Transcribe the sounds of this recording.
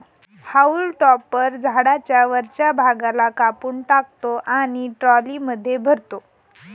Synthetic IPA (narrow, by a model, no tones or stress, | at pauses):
haulʈɔpːəɾd͡zʱaɽat͡ɕjaʋəɾt͡ɕjabʱaɡalakapuːɳʈak̚t̪oʔaɽ̃iʈɾɔliməd̪ʱːjebʱəɾt̪o